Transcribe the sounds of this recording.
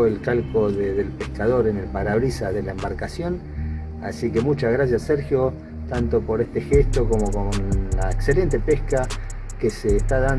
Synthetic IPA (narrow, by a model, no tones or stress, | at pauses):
elkalkoðeðelpeskaðo̞ɾenelpaɾaβɾisaðe̞laembaɾkasjo̞n | a̰sike̞mut͡ʃazɣɾasjasːeɾxjo̞ | t̪ant̪o̞po̞ɾest̪e̞xest̪o̞ko̞mo̞konla̰ekse̞le̞nt̪e̞pehka | keseːst̪aðan